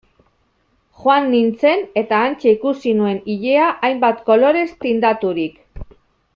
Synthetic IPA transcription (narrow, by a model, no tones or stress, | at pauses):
xoanːint͡se̞ne̞t̪aːnt͡ʃeikusinue̞niʎe̞aʔajmbat̪ko̞lo̞ɾe̞st̪ind̪at̪uɾik